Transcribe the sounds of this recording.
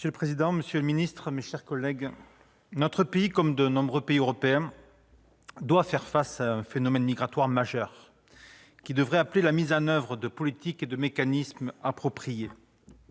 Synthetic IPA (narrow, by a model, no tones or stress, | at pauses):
məsjøləpχezid̪ɑ̃məsjøləminist̪χəmeʃɛʁkɔlːɛɡ | nɔt̪χəpeikɔmd̪ənɔ̃bʁøpeiøʁɔpeɛ̃ | d̪wafɛʁfasaɛ̃fenɔmɛnmiɡʁat̪waʁmaʒœʁ | kʲid̪əvʁɛaplelamizɑ̃nœvʁəd̪əpɔlit̪iked̪əmekanismapχɔpχije